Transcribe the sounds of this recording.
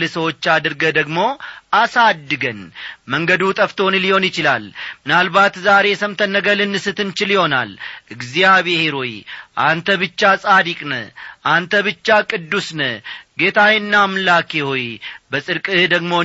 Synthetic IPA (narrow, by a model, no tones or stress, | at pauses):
lɨsəwo̞t͡ʃːad̪ɨɾɡəd̪əɡmo̞ʔasad̪ːɨɡənməŋɡəd̪ut̪ʼəft̪ʰo̞nliho̞njɪt͡ʃɪla̰lmɨnalbat̪zaɾe̞səmt̪ʰənːəɡəlɨnːɨsɨt̪ʰɨnt͡ʃɪljɪho̞na̰lʔɨɡzijaβeheɾojʔa̰nt̪ʰəβɨt͡ʃːasʼad̪ikʼnə̰ʔant̪ʰəβɨt͡ʃːakʼɨd̪ːusnəɡe̞t̪ʰawɪnːaːmlakehojbəsʼɨɾkʼɨd̪əɡmo̞